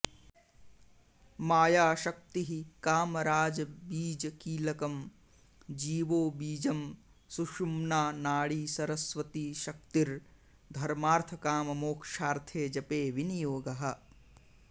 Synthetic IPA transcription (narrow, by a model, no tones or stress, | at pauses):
maːjaːʃɐk̚t̪iɦikaːmɐɾaːd͡ʒɐbiːd͡ʒɐkiːlɐkɐm | d͡ʒiːʋoːbiːd͡ʒɐm | suʃumnaːnaːɽiːsɐɾɐsʋɐt̪iːʃɐk̚t̪iɾ | d̪ʱɐɾmaːɾt̪ʰɐkaːmɐmoːkʃaːɾt̪ʰeːd͡ʒɐpeːʋinijoːɡɐɦɐ̆